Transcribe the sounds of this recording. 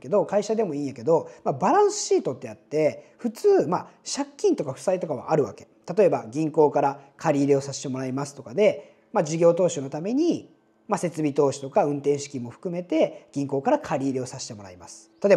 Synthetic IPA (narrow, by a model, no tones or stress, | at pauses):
ke̞d̪o̞kaiɕad̪e̞mo̞ĩːjake̞d̪o̞mabaɾãɰ̃sɨ̥ɕiːt̪o̞t̪ːe̞jat̪ːe̞ɸɯ̟t͡sɨːmaɕakʲːĩnt̪o̞kaɸɯ̟̥sait̪o̞kaβ̞a̰ʔaɾɯ̟βa̰ke̞̥t̪at̪o̞e̞ba̰ɡʲĩŋko̞ːkaɾakʰaɾʲiːɾʲeo̞saɕi̥t̪e̞mo̞ɾaimasɨ̥t̪o̞kad̪e̞ | mad͡ʑiɡʲo̞ːt̪o̞ːɕono̞t̪ame̞ɲ̟i | mase̞t͡sɨbʲit̪o̞ːɕi̥t̪o̞kaɯ̟̃nt̪ẽ̞ɰ̃ɕi̥kʲĩmːoɸɯ̟̥kɯ̟me̞t̪e̞ɡ̥ʲĩŋko̞ːkaɾakʰaɾʲiːɾʲeo̞saɕi̥t̪e̞mo̞ɾa̰imasɨ̥t̪at̪o